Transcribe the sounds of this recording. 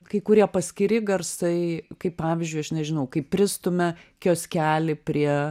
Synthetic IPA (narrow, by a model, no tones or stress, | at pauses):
kɐɪkʊɾʲiɛpɐsʲkʲɪɾʲɪɡɐrsɐɪkɐɪppɑːʋʲɪzʲd͡ʒʲʊɪɐʃnʲɛʒʲɪnɐʊkɐɪpʲpʲɾʲɪst̪ʊmʲɛkʲoːsʲkʲæːlʲɪpʲɾʲiɛ